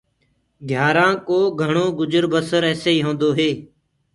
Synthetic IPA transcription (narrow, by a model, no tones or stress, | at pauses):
ɡʱjaːɾãːkoːɡʱəɳoːɡʊd͡ʒəɾbʱəsəɾɛːseːiːɦõːnd̪oːɦeː